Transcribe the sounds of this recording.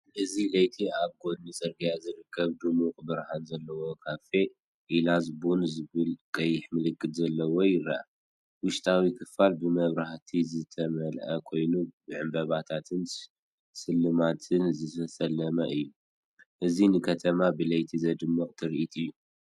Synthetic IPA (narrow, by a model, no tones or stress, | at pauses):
ʔɨzilɐjt̪ʰiaβɡo̞d̪nɨsʼɐɾɡijazɨɾɨkʰːɐβd̪ɨmuqʼbɨɾhanzɐlːɐwo̞kʰafe̞ | ʔilazbonzɨβɨlkʼɐjːɪħmɨlɨkːɨd̪zɐlːɐwojɪɾaʔa | wʊʃt̪ʼʰawikʰɨfalbɨmɐβɾaht̪ʰizɨt̪ʰɐmɐlʔɐkʰo̞jnubɨʕɨmbɐβat̪ʰat̪ʰɨn | sɨlːɨmat̪ʰɨnzɨt̪ʰɐsɐlːɐmɐʔɨjːu | ʔɨzinɨkʰɐt̪ʰɐmabɨlɐjt̪ʰizɐd̪ɨmːɐqʼt̪ʰɨɾiʔit̪ʼɨjːu